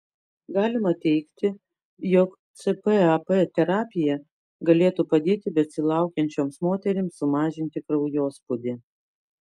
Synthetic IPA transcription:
ɡɑːlʲɪmɐt̪ʲɛɪkt̪ʲɪ | jok | t̪sɨpəɐpɛt̪ʲɛɾɑːpʲɪjɛ | ɡɐlʲeːt̪upɐd̪ʲeːt̪ʲɪbʲɛsʲɪlˠɑˑʊkʲɛnʲt͡ʃʲoːmsmoːt̪ʲɛɾʲɪmsːʊmɑːʒʲɪnʲt̪ʲɪkɾɐʊjoːspʊd̪ʲɪ

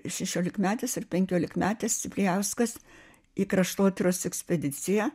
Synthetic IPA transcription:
ʃʲɛʃʲoːlʲɪkmʲæːt̪ʲɛsɪrpʲɛŋʲkʲoːlʲɪkmʲæːt̪ʲɛst͡s̪ʲɪpʲlʲɪjɛʊskɐs | iːkɾɐʃt̪oːt̪ʲɾʲoːsɛksʲpʲɛd̪ʲɪt͡s̪ʲɪjæ

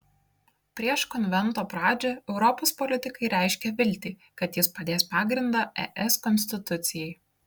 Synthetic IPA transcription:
pʲɾʲiɛʃkɔnʲʋʲɛnˑt̪oːpɾɑːd͡ʒʲoɛʊɾɔpoːspɔlʲɪt̪ʲɪkɐɪɾʲæˑɪʃʲkʲɛʋʲɪlʲt̪ʲɪː | kɐt̪jɪspɐd̪ʲeːspɑːɡɾʲɪnd̪ɑːɛ̰ʔɛskɔnʲsʲt̪ʲɪt̪ʊt̪sʲɪjɛɪ

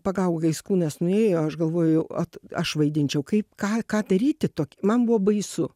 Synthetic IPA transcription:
pɐɡɐʊɡoɡɐɪskuːnɐsnʊeːjoːɐʃɡɐlˠʋoːjʊɐ̰t̪ɐʃʋɐɪd̪ʲɪnʲt͡ʃʲɛʊkɐɪpkɑːkɑːd̪ɐɾʲiːt̪ʲɪt̪oːkʲmɐnbʊʋoːbɐɪsʊ

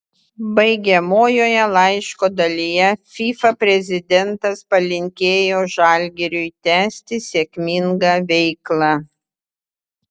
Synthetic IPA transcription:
bɐɪɡʲɛmoːjoːjɛlˠɐɪʃkoːd̪ɐlʲijɛfʲiːfɐpʲɾʲɛzʲɪd̪ʲɛnt̪ɐspɐlʲɪŋʲkʲeːjoːʒɑˑlʲɡʲɛɾʲʊɪt̪ʲæːsʲt̪ʲɪsʲeːkʲmʲɪŋɡɑːʋʲɛɪklˠɑ

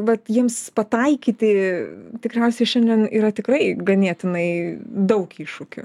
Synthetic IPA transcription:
ʋɐt̪jiɛmspɐt̪ɐɪkʲiːt̪ʲɪt̪ʲɪkɾʲɛʊsʲɛɪʃʲɛnʲd̪ʲɛniːɾɐt̪ʲɪkɾɐɪɡɐnʲeːt̪ʲɪnɐɪd̪ɐʊkiːʃʊkʲʊ̰

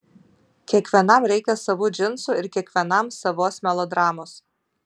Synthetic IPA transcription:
kʲiɛkʋʲiɛnɐmɾʲɛɪkʲɛsɐʋʊːd͡ʒʲɪnsuɪɾkʲiɛkʋʲiɛnɐmsɐʋoːsmʲɛlˠɔd̪ɾɑːmoːs

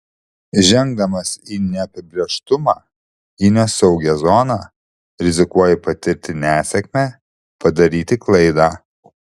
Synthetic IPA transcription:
ʒʲɛŋɡ̚d̪ɐmɐsinʲɛɐpʲɪbʲɾʲiɛʃt̪ʊmɑː | iːnʲɛsɐʊɡʲɛzɔnɑ | ɾʲɪzʲɪkuɔjɛpɐt̪ʲɪɾʲt̪ʲɪnʲæːsʲɛkmʲæː | pɐd̪ɐɾʲiːt̪ʲɪklˠɐɪd̪aː

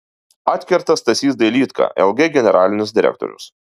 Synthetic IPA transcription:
ɑːt̪ʲkʲɛɾt̪ɐst̪ɐsʲiːsd̪ɐɪlʲiːt̪kʰɑ̰ːʔɛ̰lˠɡʲeɡʲɛnʲɛɾʔɑːlʲɪnʲʊsʲd̪ʲɪɾʲɛ̰k̚t̪ɔ̰ɾʲʊ̰s

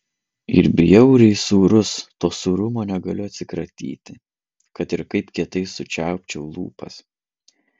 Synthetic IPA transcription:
ɪ̰ɾbʲɪjɛʊɾʲɛɪsuːɾʊst̪oːsuːɾʊmoːnʲɛɡɐlʲʊɐt̪ʲsʲɪkɾɐt̪ʲḭːt̪ʲɪ | kɐt̪ɪɾkɐɪpkʲiɛt̪ɐɪsʊt͡ʃʲæˑʊpʲt͡ʃʲɛʊlˠṵːpɐ̰s

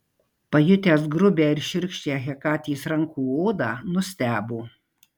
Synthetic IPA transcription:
pɐjʊt̪ʲeːs̬ɡɾʊbʲeːɪɾʃʲɪɾʲkʃʲt͡ʃʲeɣʲɛkɑːt̪ʲiːsɾɐŋkuːoːd̪ɑːnʊsʲt̪ʲæːboː

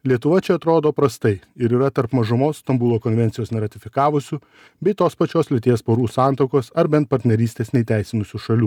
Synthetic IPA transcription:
lʲiɛt̪ʊʋɐt͡ʃʲɛɐt̪ɾoːd̪oːpɾɐst̪ɐɪɪɾiːɾɐt̪ɐɾpmɐʒʊmoːsst̪ɐmbuːlˠoːkɔnʲʋʲɛnt̪sʲjoːsnʲɛɾɐt̪ʲɪfʲɪkɑːʋʊsʲʊ | bʲɛɪt̪oːspɐt͡ʃʲoːslʲɪt̪ʲiɛspoːɾuːsɑːˑnt̪ɐʊkoːsɐɾbʲɛnt̪̚pɐɾʲt̪ʲnʲɛɾʲiːsʲt̪ʲeːsnʲɛɪt̪ʲæˑɪsʲɪnʊsʲuʃɐlʲuː

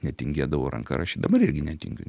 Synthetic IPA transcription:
nʲɛt̪ʲɪŋʲɡʲeːd̪ɐʋoːɾɐ̰ŋkɐ̰ɾʔɑːʃʲid̪ɐbɐɾɪɾʲɡʲɪnʲɛt̪ʲɪ̰ŋʲɡʲʊ̰

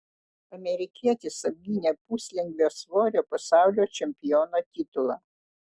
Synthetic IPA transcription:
ɐmʲɛɾʲɪkʲiɛt̪ʲɪsɐb̚ʲɡʲiːnʲeːpuːsʲlʲɪŋɡʲʋʲeːsʋoːɾʲoːpɐsɑˑʊlʲoːt͡ʃʲɛmʲpʲɪjoːnoːt̪ʲɪt̪ʊlˠɑː

